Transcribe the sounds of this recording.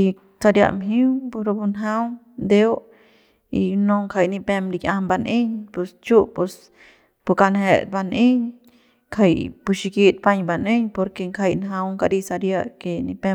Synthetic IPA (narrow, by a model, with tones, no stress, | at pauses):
i | sa˧ɾja̰˧ʔmɦi˦wpu˧ɾo˧pu˧nɦa˦w̪ | d̪ew | inoŋkʰa˧jni˧pemɾikʲambanʔe˦ɲpe˧st͡ʃu˦ʔpe˧s | pu˧ka˧nhet̪̚ba˧ne˦ɲ | kʰajpu˧ʃi˧kit̪̚pa˧ɲba˧ne˦ɲpo˧ɾke˧ŋkʰa˧jnɦa˧wŋka˧ɾi˧sa˧ɾjakeni˧pem